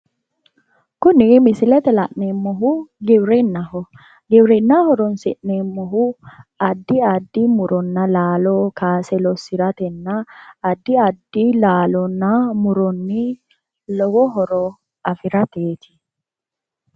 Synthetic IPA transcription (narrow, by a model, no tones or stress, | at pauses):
kʊnɪmɪsɪlɛt̪ɛlɐ̰ʔnemːɔɦʊɡɪbɾɪnːɐɦɔ | ɡɪbɾɪnːahɔɾɔnsɪ̰ʔnemːɔɦʊɐd̪ːɪɐd̪ːɪmʊɾɔnːɐlaːloːkaːsɛlɔsɪɾɐt̪ɛnːɐːd̪ːɪɐd̪ːilaːlɔnːɐmʊɾɔnːi | lɔwɔɦɔɾɔ | ɐfɪɾɐt̪eːt̪ɪ̥